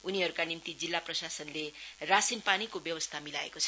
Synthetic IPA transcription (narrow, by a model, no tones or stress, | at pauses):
uniɦʌɾukanimt̪id͡zilːaprʌsasʌnlerasinpanikobjʌwʌst̪ʰamilaḛkot͡sʰʌ̥